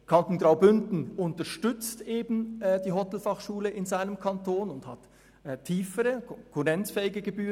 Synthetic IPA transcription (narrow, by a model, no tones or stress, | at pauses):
kʰɑntn̩ɡʁaʊbʏndn̩ʊntɐʃtʏt͡stʔeːbn̩d̥iːɦɔtl̩fɑχʃuːləʔɪnzaɪnəmkʰɑntʰoːnʊndhɑ̰tʰː | iːfəʁəkʰɔkʰʊʁɛnt͡sfɛːɪɡəɡəbyː